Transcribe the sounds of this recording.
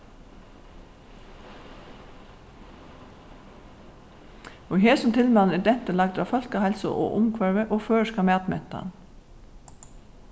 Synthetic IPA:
oːheːsɔmt̪ʰɪlmɑnɛd̪ɛnt̪əlɑɡ̚d̪ɾɑ̰ːfɔlkɑːhɛlsɔ̰ʔo̰ːʔʊmkʰʋɑɹʋəʔoːføːʃkɑmɛːɑt̪mɛ̰t̪ɑ̰n

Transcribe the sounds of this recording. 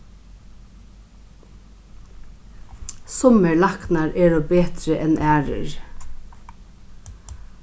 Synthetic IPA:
sɔməlɑknɑɹeːɹoːbeːt̪ɾəʔɛnʔæːɹə̰ɹ

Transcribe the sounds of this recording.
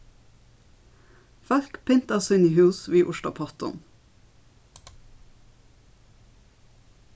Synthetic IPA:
fœɾkpʰɪnt̪ɑsɔɪniːhʉːsʋiːʔʊʃlʊ̰pʰɔt̪ʊ̰m

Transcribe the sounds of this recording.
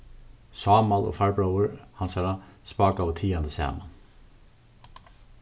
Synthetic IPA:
sɑːmalɔ̰faɹbɹawəɹhansaɹaspɑːkaət̪ʰiːand̪əsɑ̰ːma̰n

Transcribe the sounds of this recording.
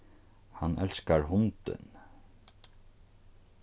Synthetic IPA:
hanːʔɛlskaɹɦʊnt̪ɪ̰n

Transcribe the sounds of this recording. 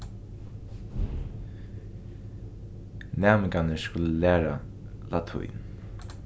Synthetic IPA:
næːmɪkanəskʊləlæːɹa | lat̪ʰʊ̰jn

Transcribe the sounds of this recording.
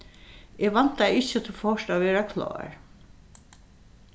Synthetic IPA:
eːʋan̥t̪aɪt͡ʃːət̪ʰɪlfɔʂt̪aʋɛːɾakʰlɑ̰ːɹ

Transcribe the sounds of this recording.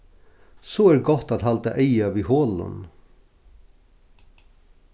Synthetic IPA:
soːæːɾɡɔt̪at̪hɑlt̪ə̰ʔeɪɑʋiːhoːlʊ̰n

